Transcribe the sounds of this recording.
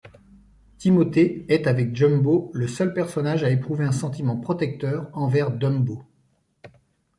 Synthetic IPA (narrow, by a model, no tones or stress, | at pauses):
t̪imɔt̪eɛt̪avɛk̚d͡ʒɔmboləsœlpɛʁsɔnaʒaepχuveɛ̃sɑ̃t̪imɑ̃pχɔt̪ɛk̚t̪œʁɑ̃vɛʁd̪ɔmbo